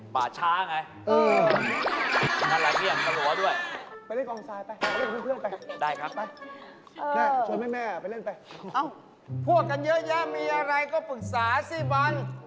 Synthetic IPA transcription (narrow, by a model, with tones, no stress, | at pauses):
pa̰ː˨˩t͡ɕʰaː˦˥˧ŋa˧j | ʔɤː˧ | a˧˩la˨˩mi˧˩ə˨˩nsa˧lu˨˩˦du˥˩əjpa˧jle˥˩nkɔː˧ŋsaː˧jpa˧jle˥˩nkʰːpʰɯ˥˩ənpa˧jdaː˥˩jkʰa˦˥a˥˩j | ʔɤː˧ɛː˥˩u˧ənmaː˥˩mɛː˥˩pa˧jle˥˩npa˧jʔa˧˩w | pʰu˥˩ək̚ka˧njɤ˦˥ʔja˦˥miː˧ʔa˧ɾa˧jkɔː˥˩pɯ˨˩k̚saː˩˦siː˥˩bɔ˧˥n